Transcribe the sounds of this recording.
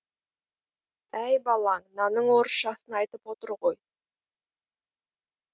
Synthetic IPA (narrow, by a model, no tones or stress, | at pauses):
æjbɑlˠɑŋnɑnəɴwoɾʃɑsənɑjt̪əpwo̞t̪əɾʁo̞j